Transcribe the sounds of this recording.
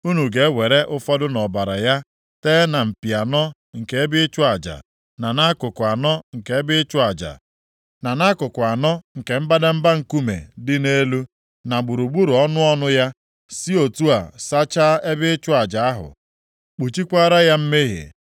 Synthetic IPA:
u˦nu˨ɡe˨˦we˨ɾe˦ʔʊ˦fɔ˦dʊ˦nɔ˨ba˨ɾa˨ja˦ | teː˦na˨m̩˨pi˨a˨nɔ˦ | ŋ̩˨ke˨e˦bɪ˦ɪ˦t͡ʃʊ˦a˨d͡ʒa̰˨ | na˨na˦kʊ˨kʊ˨a˨nɔ˦ŋ̩˨ke˨e˦bɪ˦ɪ˦t͡ʃʊ˦a˨d͡ʒa̰˨ | na˨na˦kʊ˨kʷʊ˨a˨nɔ˦ŋ̩˨ke˨m̩˦ba˦da˦m̩˦ba˦ŋ̩˨ku˦mḛ˨dɪ˦ne˦lu˦ | na˨ɡ͡bu˨ɾu˨ɡ͡bu˦ɾu˨ɔ˦nʊ˦ɔ˦nʊ˦ja˦ | si˦o˨tu˦a˨sa˦t͡ʃa˦e˦bɪ˦ɪ˦t͡ʃʊ˦a˨d͡ʒa˨a˦ɦʊ̰˨ | k͡pu˨t͡ʃi˦kʷa˦ɾa˦ja˦m̩˦me˦ɦḛ˨

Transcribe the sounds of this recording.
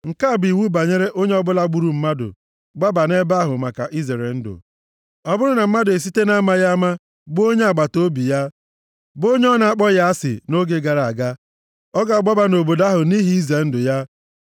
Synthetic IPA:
ŋ̩˨ka˦˨bi˨wu˦ba˨ɲe˦ɾe˦ʔo˦ɲe˦ɔ˦bʊ˦la˦ɡ͡bu˦ɾu˨m̩˦ma˦dʊ̰˨ | ɡ͡ba˦ba˨ne˦ba˦ɦʊ˨ma˨ka˨ʔi˦ze˨ɾe˨n̩˦dʊ̰˨ | ɔ˦bʊ˦ɾʊ˦na˨m̩˦ma˦dʊ˨e˨s̬i˦te˦na˦ma˦ja˦ma˦ | ɡ͡bo˦ɲe˦a˨ɡ͡ba˨to˦bi˨ja˦ | bo˦ɲ˦ɔ˦na˨a˦k͡pɔ˦ja˦a˦sɪ̰˨no˦ɡe˦ɡa˨ɾa˨ɡa˦ | ɔ˦ɡa˨ɡ͡ba˦ba˨no˨bo˨da˦ɦʊ˨ni˦ɦi˦i˦ze˨n̩˦dʊ˨ja˦

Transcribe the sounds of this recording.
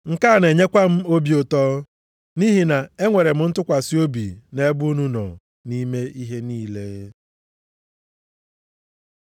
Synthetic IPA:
ŋ̩˨ka˦˨ne˨ɲe˦kʷa˦m̩˦o˦bi˦ʊ˨tɔː˦ | ni˦ɦi˨na˨e˦ŋʷe˨ɾe˨m̩˦n̩˦tʊ˦kʷa˨si˦o˦bḭ˨ne˦bu˦nu˦nɔ̰˨ | ni˦me˦ʔi˦ɦe˦niː˦le˦

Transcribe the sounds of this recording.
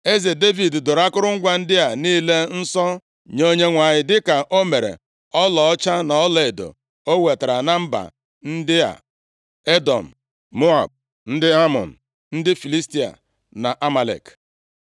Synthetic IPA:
e˦ze˨de˦vi˨ddʊ˨ɾa˦kʊ˦ɾʊ˦ŋ̩˦ɡʷa˦n̩˦dɪ˦a˨niː˦le˦n̩˦sɔ˦ | ɲo˦ɲe˦ŋʷa˨ɲɪ˨dɪ˦ka˨ʔo˦me˨ɾḛ˨ | ɔ˦lɔ˨ɔ˦t͡ʃa˦na˨ɔ˦le˨do̰˨ | o˦we˨ta˨ɾa˨na˦m̩˦ba̰˨ | n̩˦dɪ˦a̰˨ | e˦dɔ˨m̩˨ | mo˦a˨b̚ | n̩˦dɪ˦a˦mɔ̰˨n̩˨ | n̩˦dɪ˦fi˨li˦sti˦a̰˨ | na˨ʔa˦ma˨lḛ˨k

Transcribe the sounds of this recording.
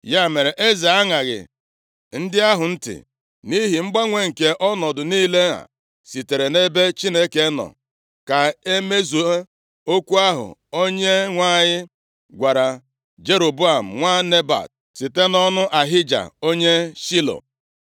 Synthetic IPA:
ja˦me˨ɾe˨ʔe˦za˨a˦ŋa˨ɣɪ̰˨ | n̩˦dɪ˦a˦ɦʊ˨n̩˦tɪ̰˨ | ni˦ɦi˨ŋ͡m̩˦ɡ͡ba˦ŋʷe˦ŋ̩˨ke˨ʔɔ˦nɔ˨dʊ˨niː˦le˦a̰˨ | si˨te˨ɾe˨ne˦be˦t͡ʃi˦ne˦ke˦nɔ̰˨ | ka˨e˦me˦zu˨e˦ | o˦kʷu˦a˦ɦʊ̰˨o˦ɲe˦ŋʷa˦ɲɪ˦ | ɡʷa˨ɾa˨ | d͡ʒe˦ɾo˨bu˦a˨m̩˨ŋʷa˦ne˦ba̰˨t̚ | si˨te˦nɔ˦nʊ˦ʔa˨ɦɪ˦d͡ʒa̰˨o˦ɲe˦ʃi˦lo̰˨

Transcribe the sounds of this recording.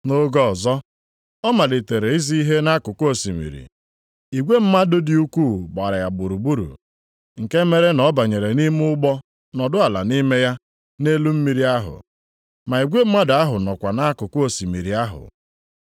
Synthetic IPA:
no˦ɡɔ˦˨zɔ˦ | ɔ˦ma˨dɪ˨te˨ɾe˨i˦zi˦i˦ɦe˦na˦kʊ˨ko˨si˨mḭ˨ɾḭ˨ | i˨ɡʷe˦m̩˦ma˦dʊ˦di˦u˦kʷuː˦˨ɡ͡ba˨ɾa˨ja˨bu˨ɾu˨bu˦ɾṵ˨ | ŋ̩˨ke˦me˦ɾe˦nɔ˦ba˨ɲe˨ɾe˨ni˦m˦ʊ˦ɡ͡bɔ˦ | nɔ˨dʊ˦a˨la̰˨ni˦me˦ja˦ | ne˦lu˦m̩˦mi˨ɾi˦a˦ɦʊ̰˨ | ma˨i˨ɡʷe˦m̩˦ma˦da˦ɦʊ˨nɔ˨kʷa˨na˦kʊ˨ko˦˨si˨mi˨ɾi˨a˦ɦʊ̰˨

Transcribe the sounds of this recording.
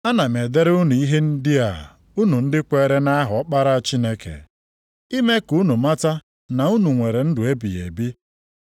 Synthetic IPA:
a˦na˨me˨de˦ɾu˦nu˨i˦ɦe˦n̩˦dɪ˦a̰˨ | u˦nu˨n̩˦dɪ˦kʷe˦ɾe˦na˦a˦ɦɔ˨ɔ˦k͡pa˦ɾa˦a˦˨t͡ʃi˦ne˦kʰḛ˨ | i˦me˦ku˨˦nu˨ma˦ta˦ | na˨u˦nu˨ŋʷe˨ɾe˨n̩˦dʊ˨e˦bḭ˨jḛ˨bi˦

